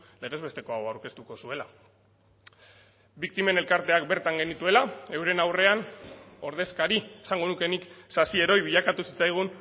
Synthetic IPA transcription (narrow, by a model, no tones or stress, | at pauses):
le̞ɣ̞e̞zβe̞st̪e̞ko̞aoawɾke̞st̪uko̞sue̞la | bik̚t̪ime̞ne̞lkaɾt̪e̞ak̚be̞ɾt̪aŋɡe̞nit̪ue̞lae̞wɾe̞nawre̞ano̞ɾð̞e̞skaɾiesaŋɡo̞nuke̞niksasie̞ɾo̞jβiʎakat̪usit͡sajɣ̞un